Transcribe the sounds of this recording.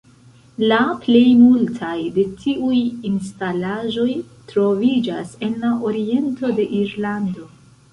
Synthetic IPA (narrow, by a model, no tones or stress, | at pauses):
laple̞jmultʰajde̞tʰiʔujinstalaʒo̞j | tɾo̞vid͡ʒase̞nlaʔoɾie̞nto̞de̞ʔiɾlando̞